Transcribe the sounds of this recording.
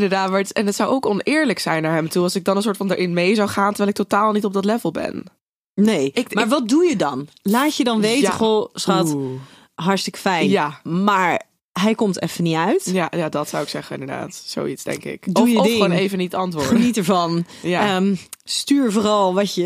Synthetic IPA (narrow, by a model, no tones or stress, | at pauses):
ɪndəɹdaːtmaɹtɛnətsʌwowkɔnɪːɹləksɛjnaːɹɦɛmtuɑlˠsɪɡ̚dɑnənsʊːɹtfɑndaɹʔɪnmejzawχaːntəɹʋɛlɪktotaːlˠnitɔb̚dɑtlɛvəlˠbɛ̰n | nejɪkmaːɹʋɑt̚dujədɑnlaːcədɑnʋejəχosχɑt | ɦɑɹstɪkə̥fɛjnjamaːɹ | ɦɛjkɔmtɛ̰fəniœɥtjajadɑtsʌ̰wɪksɛχənɪndəda̰ːtso̰witzd̥ɛ̰ŋkɪ̰kdjədɪonejvənitɑntʋʊχɹənitəɹvɑn | jamstyːɹvoːɾɑlˠʋɑcə